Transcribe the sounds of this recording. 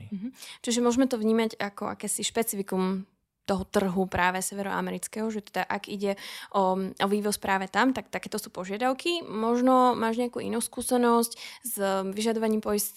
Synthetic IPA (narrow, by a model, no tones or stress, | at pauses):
m̩ɦ̩t͡ʃiʒɛmʊɔʒmɛt̪ɔvɲiːmacakɔʔa̰kɛːsiʃpɛt͡sifikum | t̪ɔɦɔt̪r̩ɦupɾaːʋɛsɛʋɛɾɔ̰a̰mɛɾit͡skɛɦɔʒɛt̪ɛd̪aʔaɡiɟɛʔɔɔʋiːʋɔspɾaːʋɛt̪amt̪ak̚t̪akɛːt̪ɔsuːpɔʒɪad̪aʊkimɔʒnɔmaːʒɲɛakuːʔḭnuːskuːsɛnɔsczʋiʒad̪ɔʋaɲiːmpɔjis